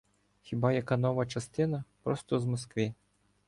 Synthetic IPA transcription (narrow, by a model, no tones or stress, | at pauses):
xʲibɑjɐkɑnɔʋɐt͡ʃɐst̪ɪnɐpɾɔst̪ɔzmɔskʋi